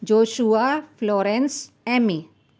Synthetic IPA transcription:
d͡ʒoʃuaflɔɾɛns | ɛmi

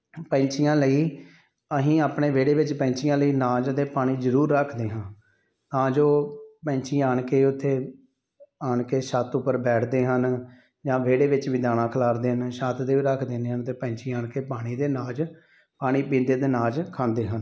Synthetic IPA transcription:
pɛ̃ɲt͡ʃijãːləiː | əɦĩːaːpɳeːʋeːɽeːʋɪt͡ʃpɛ̃ːɲt͡ʃijãːləiːnaːd͡ʒd̪eːpaːɽ̃iːzəɾuːɾːəkʰd̪eːɦãː | t̪ãːd͡ʒoːpɛ̃ɲt͡ʃiːaːɳkeːʊt̪ʰːeː | aːɳkeːʃət̪ʊpːəɾbɛːʈʰd̪eːɦən | d͡ʒãːʋeːɽeːʋɪt͡ʃʋiːd̪aːɽ̃ãːkʰəlaːɾd̪eːɦənʃaːt̪d̪eːʋiːɾəkʰd̪ẽːneːɦənt̪eːpɛ̃ːɲt͡ʃiːaːɳkeːpaːɽ̃iːd̪eːnaːd͡ʒ | paːɽ̃iːpĩːnd̪eːd̪eːnaːd͡ʒkʰãːnd̪eːɦən

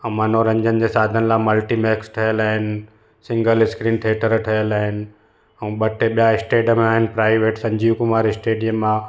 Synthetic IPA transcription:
ɐmanoɾɐ̃ɲd͡ʑənɪ̆d͡ʑeːsaːd̪ʱənɪ̆laːmɐlʈimɛːksʈʰɐjəlaːɦɪnɪ̆ | sɪ̃ŋɡəlɪskɾĩːnʈ̪ʰeːʈəɾʈʰɐjəlaːɦɪnɪ̆ | ɛ̃ũːɓɐʈeɓijaɪsʈeːɖəmẽaːɦɪnɪ̆pɾaːɪʋeːʈsɐ̃ɲd͡ʑiːkʊmaːɾɪsʈeːɖijəmːã

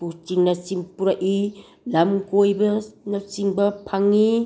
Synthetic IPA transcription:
put͡ʃiŋnɐsiŋpuɾaʔi | lamkojbɐnɐwsiŋbɐpʰaŋːi

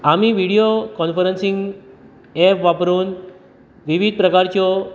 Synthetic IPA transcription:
am̤iʋiɽijokɔnfəɾənsĩŋɡ | ɛpʋapɾuːn | ʋiʋid̪̚pɾəkaɾt͡ɕjɔ

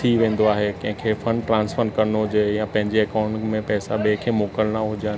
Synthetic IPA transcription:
iʋẽːn̆d̪oaːɦekɐ̃ɦɪ̃kʰefɐ̃ɳʈɾãːnsfəɾnkɐɾnoɦʊd͡ʑejãpɐ̃ɦɪ̃ɲd͡ʑeɐkaːʊ̃ɳʈmẽpɛːsaɓekʰeːmoːkəlnaɦʊd͡ʑa

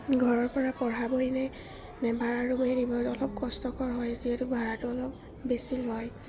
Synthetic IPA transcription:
ɡʱɔɹɔɹpɔɹapɔɹabojnɛ | nɛbʱaɹaɹumɛdibɔtɔlɔp̚kɔstɔkɔɹɦɔjziɛtʊbʱaɹatʊɔlɔp̚ | besilɦɔj

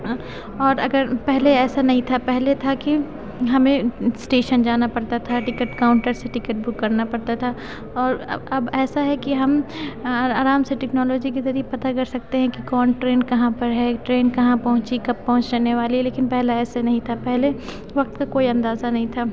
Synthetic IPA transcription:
ɔːɾɐɡəɾpɛɦleɛːsanɐɦĩt̪ʰapɛɦlet̪ʰaki | ɦɐmẽsʈeːʃənd͡ʒaːnapɐɾt̪at̪ʰaʈɪkəʈkaːʊ̃ɳʈəɾseʈɪkəʈ̚bʊkːɐɾnapɐɾt̪at̪ʰa | ɔːɾɐbɛːsaɦɛkiɦɐm | aːɾaːmseʈɛknɔːloːd͡ʒiket̪ɐɾiːpɐt̪akɐɾsɐk̚t̪eɦɛ̃kikɔːnʈɾeːnkɐɦãpɐɾɦɛʈɾeːnkɐɦãpɐɦʊ̃t͡ʃikɐbːɐɦʊ̃ɲt͡ʃɾeːneʋaːlileːkɪnpɛɦlaɛːsanɐɦĩt̪ʰapɛɦle | ʋɐq̚t̪kakoːiɐ̃nd̪aːzanɐɦĩt̪ʰaː

